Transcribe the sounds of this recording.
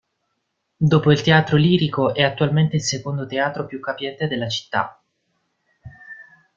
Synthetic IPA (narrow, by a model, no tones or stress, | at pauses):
d̪oːpoilt̪eaːt̪ɾoliːɾikoʔɛat̪ːualment̪eilsekond̪ot̪eaːt̪ɾopjukːapjɛnt̪ed̪elːat͡ʃi̥t̪ːa̰